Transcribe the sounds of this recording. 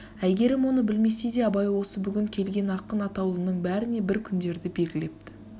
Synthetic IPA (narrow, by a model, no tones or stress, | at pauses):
æjɡʲe̞ɾɪmwo̞nəbɪlme̞sejd̪e̞ɑbɑjwo̞səbʏɡʲɪŋkʲʰe̞lɡʲe̞nɑqənɑt̪ɑwlˠənəɴbæɾɪne̞bɪɾkʲʰʏnd̪e̞ɾd̪ɪbe̞lɡʲɪle̞p̚t̪ɪ̥